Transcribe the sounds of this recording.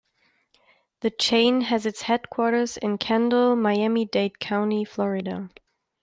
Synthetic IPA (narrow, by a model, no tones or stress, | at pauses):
ðɨt͡ʃʰẽɪ̃nɨzɨtshɛd̚kʰw̥ɔɹɾə˞zɪ̰̃nkʰæ̃ndl̩ˠmaɪæmideɪt̚kʰãʊ̃ntiflɔɹɪɾə̰